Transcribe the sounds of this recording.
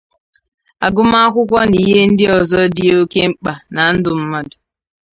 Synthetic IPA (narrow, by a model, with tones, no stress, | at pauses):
a˨ɡʊ˦ma˦a˦kʷʊ˦kʷɔ˦ni˦˨ɦe˦n̩˦dɪ˦ɔ˨zɔ˦dɪ˦o˦ke˦ŋ͡m̩˦k͡pa˨na˨n̩˦dʊ˨m̩˦ma˦dʊ̥˨